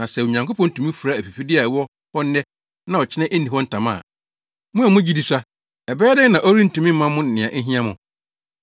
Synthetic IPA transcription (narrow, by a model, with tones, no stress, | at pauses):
nã˨sɛ˨o˨ɲã˨ŋko˦pʰɔ̃˦n̩˦tʰũ˨mĩ˦fu˨ɾa˦˨æ˨fi˨fi˦dɪ˦a˨wɔ˦ | hɔ˦n̩ː˦ɛ˦ | nã˦ɔ˨t͡ɕʰɪ˦nɛ̃˦ʔe˦nːĩ˨hɔ˦n̩˦tʰã˨mã̰˦˨ | mʊ̃˦æ˨mʊ̃˦d͡ʑi˦di˨sa˦ | ɛ˨bɛː˦dɪ̃˦nã˨ʔɔ˦ɾi˦n̩˨tũ˨mĩ˦m̩˦mã˦mʊ̃˦n̩˨ɪ̃˨ã˨ʔe˦ɦĩ˦ã˦mʊ̃˨